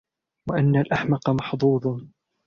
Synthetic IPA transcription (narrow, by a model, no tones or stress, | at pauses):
waʔanːalʔaħmɑqɑmɑħd̪ˤuːd̪ˤ